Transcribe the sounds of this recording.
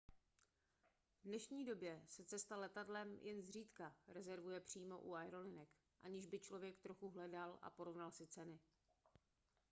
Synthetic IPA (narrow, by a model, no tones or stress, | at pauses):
vdnɛʃɲiːdo̞bjɛsɛt͡sɛst̪alɛt̪adlɛmjʔɛnzr̝iːt̪kaɾɛzɛɾvujɛpr̝̥iːmo̞̰ʔuaɛɾo̞lɪnɛk | ʔa̰ɲɪʒbɪt͡ʃlovjɛkt̪ɾo̞xuɦlɛdalʔa̰po̞ɾo̞vnalsɪt͡sɛnɪ